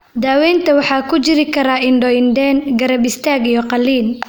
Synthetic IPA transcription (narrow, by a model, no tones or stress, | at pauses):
d̪aːwɛːnt̪ʰɐwɑħɑːkʰʊt͡ʃɪɾɪkʰɐɾaːʔɪnɖɔɪnd̪ɛːnɡɐɾɐbɪst̪ʰaːɡijɔqɑlːiːn